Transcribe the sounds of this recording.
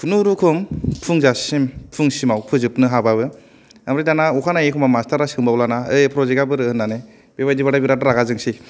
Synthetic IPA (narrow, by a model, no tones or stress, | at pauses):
pʰunuɾukʰɯmpʰuŋzasimpʰuŋsimawpʰɯzɯp̚nɯɦabaβɯ | amɾidanaukʰanaekʰɔmamastʰaɾasɯŋmbawlanaɯjpʰɾɔzekabɯɾɯhɯnːane | bebajdibaɾabiɾadɯɾaɡazɯŋsi